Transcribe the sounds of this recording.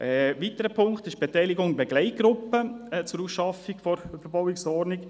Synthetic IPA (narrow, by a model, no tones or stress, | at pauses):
ʔɛʋit̪əɾəpʰʊŋktɪʃb̥etɛɪlɪɡʊŋbɛɡ̥lɛɪt̚ɡ̥ɾʊpːət͡sʊɾusʃɑfiɡfɔɾfəɾbɔwiksɔɾnɪk